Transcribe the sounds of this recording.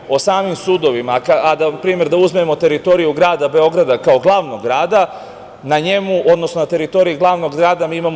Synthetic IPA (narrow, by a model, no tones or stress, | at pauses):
o̞saːmimsuːd̪o̞ʋimakaad̪apɾiːme̞ɾd̪auzmemo̞t̪e̞ɾit̪o̞ɾijuɡɾaːd̪abe̞o̞ɡɾad̪akao̞ɡlˠaːʋnoɡɡɾaːd̪a | naɲe̞muʔod̪nosno̞nat̪e̞ɾit̪o̞ɾiiɡlˠaːʋno̞ɡɡɾaːd̪amiːimam